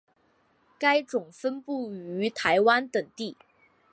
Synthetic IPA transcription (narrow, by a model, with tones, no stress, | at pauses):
ka˥ɪʈ͡ʂʊ˨˩ŋfə˥npu˥˩y˧˥t̪ʰa˧˥ɪwa˥nt̪ə˨˩ŋt̪i˥˩